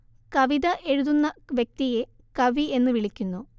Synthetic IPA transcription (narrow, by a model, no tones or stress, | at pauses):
kɐʋiðɐʔe̞ɻuðunːɐʋjek̚t̪ije | kɐʋie̞nːɨʋiɭikʲːunːu